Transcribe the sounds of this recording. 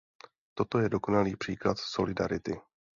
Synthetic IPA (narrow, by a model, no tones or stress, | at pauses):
t̪o̞t̪o̞jɛdo̞ko̞naliːpr̥iːklat̪so̞lɪdaɾɪt̪ɪ